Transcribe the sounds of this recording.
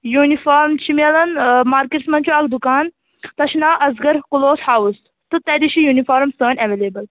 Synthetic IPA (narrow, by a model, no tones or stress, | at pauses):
juːnifaːɾmt͡ʃʰimelɐnmaːɾkeʈsmɐnt͡ʃʰuɐk̚d̪ukaːn | t̪ɐʃnaːʔɐzɡɐɾkuloːshaːus | t̪ut̪ɐd̪iʃijuːnifaːɾmsəːnɐʋeleːbɐl